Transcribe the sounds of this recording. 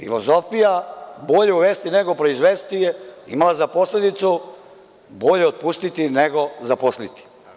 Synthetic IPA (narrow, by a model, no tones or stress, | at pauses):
fḭlozo̞fijabo̞ʎeuʋeːst̪ineɡopɾoizʋeːst̪ijeḭmalazaposled̪it̪su | bo̞ʎeot̪̚pust̪it̪ineɡo̞zaposlit̪i̥